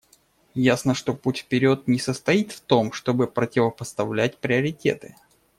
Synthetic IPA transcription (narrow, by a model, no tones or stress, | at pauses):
jasnəʂt̪o̞putʲfpʲɪɾʲo̞t̪̚nʲɪsəst̪ɐit̪ft̪o̞mʂt̪o̞bɨpɾətʲɪvəpəst̪ɐvlʲæt̚ʲpɾʲɪəɾʲɪtʲe̞̰t̪ɨ